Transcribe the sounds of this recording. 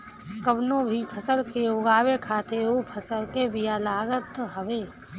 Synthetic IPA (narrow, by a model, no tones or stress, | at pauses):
kəbnõbʱipʰəsəlkeoːɡaːwekʰaːt̪ʰeopʰɐsəlkebijalaːɡət̪ɦəʋeː